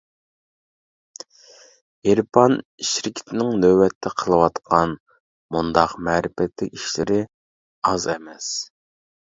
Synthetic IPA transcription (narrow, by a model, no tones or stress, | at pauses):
eɾpʰɑniʃɪɾkʲʰi̥t̪ʰɪnɪŋnøbɛt̪ʰːɛqʰəlˠɨwɑt̪qʰɑn | mund̪ɑqmɛːɾɪfɛt̪lɪkʲiʃlɪ̰ɾɪ | ɑzɛmɛs